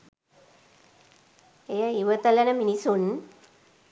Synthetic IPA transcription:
ejaiʋɐt̪ɐlɐnɐminisun

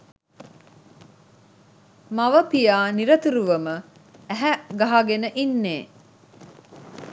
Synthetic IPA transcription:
mɐʋəpijaːniɾɐt̪uɾuʋɐməæɦæɡaɦaɡenəʔinːeː

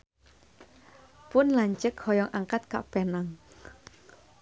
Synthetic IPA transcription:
pʊnlaɲt͡ʃəkhɔjɔŋʔaŋkat̪̚ka̰ʔpenaŋ

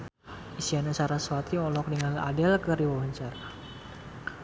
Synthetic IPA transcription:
isianasaɾaswat̪iɔlɔk̚dəŋala̰dɛlkəɾiwawaɲt͡ʃaɾa

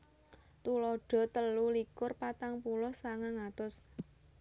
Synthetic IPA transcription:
t̪ulɔɖ̥ɔ̤t̪əlulikʊrpat̪aŋpulɔhsaŋaŋat̪ʊs

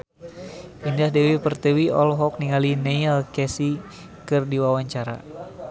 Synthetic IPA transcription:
indahdɛwipərt̪əwiɔlɦɔk̚niŋalinejəlkɛsi | kɨrdiwawaɲt͡ʃaɾa̰

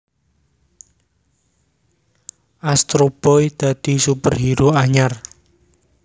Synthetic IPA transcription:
ʔast̪ɾob̥ɔjd̪̥a̤d̪̥i̤supərɦiɾuaɲar

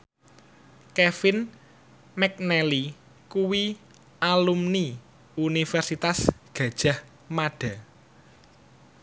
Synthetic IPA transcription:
kefɪn | mɛk̚nɛli | kuwi | alumni | unifɛrsit̪asɡ̥ä̤d̥ʒ̥a̤h | maɖ̥a̤

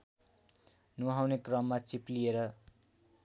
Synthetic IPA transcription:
nuɦawnekrʌmːat͡siplieɾʌ

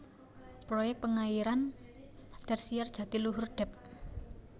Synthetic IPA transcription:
pɾojɛk̪̚pəŋaiɾan | d̪̥ɛrsijard̥ʒ̥ä̤t̪iluɦʊrd̪̥ɛ̤p̚

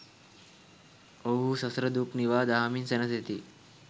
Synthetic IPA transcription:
oɦusəsɾəd̪uːkniʋaːd̪amiːnsenəset̪iː

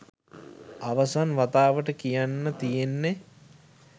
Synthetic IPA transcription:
aʋəsanʋat̪aːʋəʈəkijanːət̪ijenːe

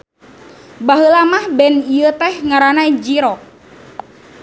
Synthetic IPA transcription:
baɦəlamahbɛniət̪ɛhŋaɾanaid͡ʒiɾɔk̚

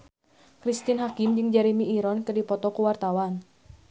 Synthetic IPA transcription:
kɾist̪inɦakimd͡ʒɨŋd͡ʒaɾimiʔiɾɔnk̪ɨrdipɔt̪ɔkuwart̪awan

